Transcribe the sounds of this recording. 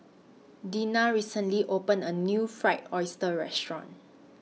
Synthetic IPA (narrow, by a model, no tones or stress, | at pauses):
dĩnaɹisə̃nliʔopə̃nənjufɹaɪtɔɪstəɹɛstɹɔ̰̃n